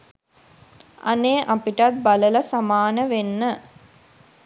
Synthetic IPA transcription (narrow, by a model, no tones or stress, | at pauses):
a̰neːʔapiʈat̪̚balələsamaːnəʋenːə